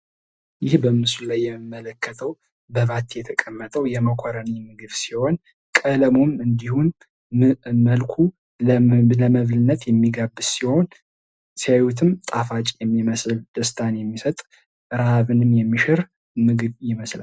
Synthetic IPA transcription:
jɪhbəmɨsulajːɛmɨmːələkʰːət̪ʰəw | bəβat̪jɛt̪ʰəkʼəmːət̪ʰəwjɛməkʰoɾənimɨɡɨβsiho̞n | kʼələmomɨnd̪ihun | məlkʷʰu | ləməβlɨnːət̪ʰjɛmːiɡabːɨsiho̞n | sijawut̪ʰɨmt̪ʼafat͡ʃʼjɛmːiməsɨld̪̥əst̪ʰanjɛmːisət̪ʼ | ɾaaβɨnɨmjɛmːiʃɪɾ | mɨɡɨβjɪməsla

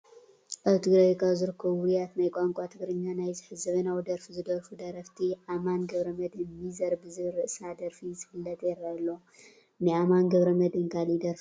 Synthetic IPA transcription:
ʔaβt̪ʰɨɡɾɐjkʰazɨɾɨkʰːɐβuɾjat̪najkʼaŋkʷʼat̪ʰɨɡɾɨɲːanajzɨħɨzɐβɐnawd̪ɐɾfizɨd̪ɐɾfud̪ɐɾɐft̪ʰiʕamanɡɐβɾɐmɐd̪ɨnːizɐɾbɨzɨɾɨʔsad̪ɐɾfizɨfɨlːɐt̪ʼjɛɾːalːo | nɨʕamanɡɐβɾɐmɐd̪ɨnkʰalid̪ɐɾf

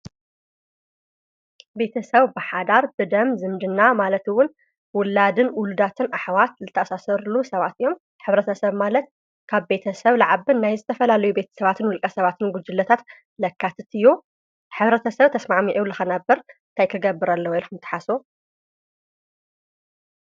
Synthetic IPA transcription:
be̞t̪ʰɐsɐβbɨħad̪aɾbɨd̪ɐmzɨmd̪ɨnːamalɐt̪ɨwːʊn | wʊlːad̪ɨnʔʊlud̪at̪ʰɨnʔaħwat̪̚zɨt̪ʰːɐʔasasɐɾlusɐβat̪ɨjːo̞m | ħɨβɾɐt̪ʰɐsɐβmalɐt̪̚ | kʰaβbe̞t̪ʰɐsɐβlaʕaβɨnnajzɨt̪ʰɐfɐlalɐjube̞t̪ʰɐ̥sɐβat̪ʰɨnwʊlkʼɐsɐβat̪ʰɨnɡʷʊd͡ʒɨlːɐt̪ʰat̪ | lɐkʰːat̪ʰɨt̪ʰɨju | ħɨβɾɐt̪ʰɐsɐβt̪ʰɐsmaʕmiʔulɨxɐnɐbːɐɾnt̪ʰajkʰɨɡɐbːɨɾɐlːɐwilkɨmt̪ʰɨ̥ħaso

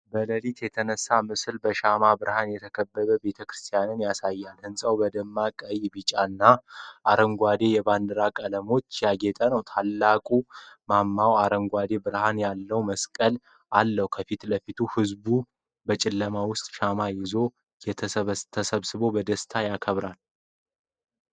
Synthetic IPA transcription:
bələlit̪jɛt̪ʰənəsːamɨsɨlbəʃamabɨɾhanjɛt̪ʰəkʰəbːəβəbe̞t̪ʰəkɾɨst̪ʰijanɨnjasajːalhɨnsʼəwbəd̪əmːakʼəjbɨt͡ʃʼanːaʔaɾəŋɡʷad̪e̞jɛband̪əɾakʼələmo̞t͡ʃːjaɡet̪ʼənəwt̪ʰalːakʼumamːawaɾəŋɡʷad̪e̞bɨɾhanjalːəwməskʼəl | ʔalːəhukʰəfit̪ləfit̪ʰuhɨzbu | bət͡ʃʼɪlːəmawʊst̪ʼʃamajɪzo̞ | jɛt̪ʰət̪ʰːəsəβsɨbo̞bəd̪əst̪ʰajakʰəβɾal

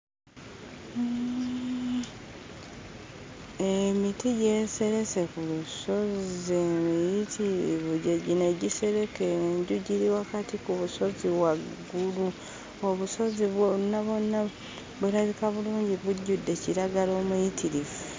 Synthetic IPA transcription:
emitiɟe̞ːse̞ɾese̞kuluso̞zemijitʰiɾḭβuɟeɟine̞ɟise̞ɾe̞keɲɟuɟiɾiwakatikuβuso̞ziβwaɡɡːulu | o̞βuso̞ziβonːaβonːa | βeɾaβikaβuluːɲɟiβuɟudːe̞ciɾaɡalo̞ːmujitiɾivu

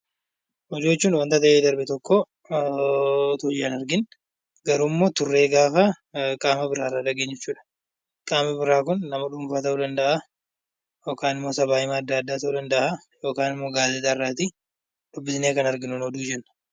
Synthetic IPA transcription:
hɔd͡ʒ̪oːt͡ʃːuːnwɐnt̪ɐt̪ɐʔeːd̪ɐɾbɪt̪ɔkːo | t̪oːd͡ʒɪɐnɐɾɡɪn | ɡɐɾuːmːo̞ːt̪ʊrːe̞ːɡaːfɐ | kʼaːmɐbɪɾaːrːaːᶑɐɡeːɲːɛt͡ʃːuːᶑɐ̥ | kʼaːmɐbɪɾaːkʊnːɐmɐᶑʊmfaːt̪ɐʔuːd̪ɐnd̪ɐʔa | jo̞ːkaːnɪmːoːsɐbaːjɪmaːd̪ːaɐd̪ːaːt̪ɐʔuːd̪ɐnd̪ɐʔa | jo̞ːkaːnɪmːo̞ːɡaːzɛt̪arːaːt̪i | ᶑ̪̥ʊbːɪsɪneːkɐnɐɾɡɪnʊnɔd̪uːd͡ʒɛnːɐ̥

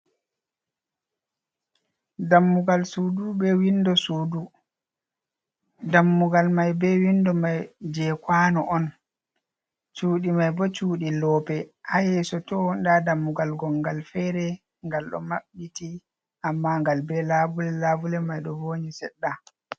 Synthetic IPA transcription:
damːuɡalsudubɛwindɔsuːdu | damːuɡalmajbɛwindɔmajd͡ʒɛkwaːnɔʔɔn | t͡ʃuːɗimajbɔt͡ʃuːɗilɔːpɛʔahɛsɔtɔndadamːuɡalɡɔŋɡalfɛɾɛ | ŋɡalɗɔ̰maɓːiti | ʔamːaŋɡalbɛlabulɛlabulɛmajɗɔvoːɲisɛɗːa

